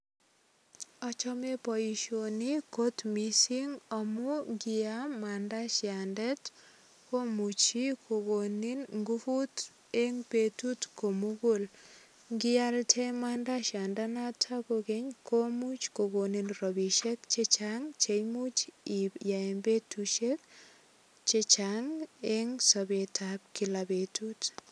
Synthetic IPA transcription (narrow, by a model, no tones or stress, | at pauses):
ɔt͡ʃɔmepɔjiʃonikotmisiŋɔmuɡɪjamandaʃjandɛt | komut͡ʃikʰoɡoninŋɡufut | eŋpetutkomuɡol | ŋɡɪjaltʰemandaʃandanatʰakoɡeɲkʰomut͡ʃkoɡoninrɔbiʃekt͡ʃet͡ʃaŋt͡ʃejmut͡ʃijaɛmbetuʃek̚ | t͡ʃet͡ʃaŋeŋsɔbetʰab̚kilabetut